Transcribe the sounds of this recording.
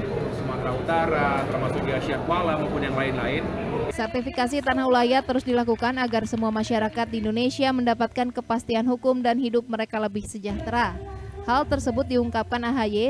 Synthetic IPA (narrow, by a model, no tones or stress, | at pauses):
səmat̪ɾaut̪aɾat̪ərmasʊk̚diasiakualaməmpuɲjaŋlaɪnlaɪnsərt̪ifikas̬it̪anahulajat̪əɾʊsdilakukanaɡarsəmuamaʃaɾakat̪̚diːndonesiaməndapat̪̚kankəpast̪ianɦukʊmdanɦidʊp̚məɾekaləbɪhsəd͡ʒaht̪ɾahalt̪ərsəbʊt̪̚diuŋkap̚kanaɦaje